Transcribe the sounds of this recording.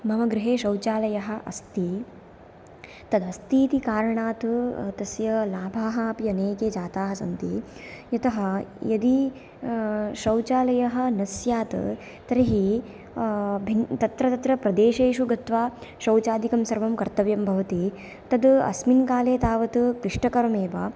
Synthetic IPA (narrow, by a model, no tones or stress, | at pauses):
mɐmɐɡɾɪɦeːʃɐwt͡ʃaːlɐjɐɦɐ̆ʔɐ̰st̪i | t̪ɐd̪ɐst̪iːt̪ikaːɾɐɳaːt̪t̪ɐsjɐlaːbʱaːɦɐːpiɐneːkeːd͡ʒaːt̪aːɦɐsɐ̰nt̪ijɐt̪ɐɦɐjɐd̪i | ʃɐwt͡ʃaːlɐjɐɦɐ̆nɐsjaːt̪ɨ̰ | t̪ɐɾɐɦi | bʱint̪ɐt̪ɾɐt̪ɐt̪ɾɐpɾɐd̪eːʃeːʃuɡɐt̪ʋaːʃɐwt͡ʃaːd̪ikɐmsɐɾʋɐmkɐɾt̪ɐʋjɐmbʱɐʋɐt̪i | t̪ɐd̪ɐ̰sminkaːleːt̪aːʋɐt̪ɨkɾiʂʈɐkɐɾɐmeːʋɐ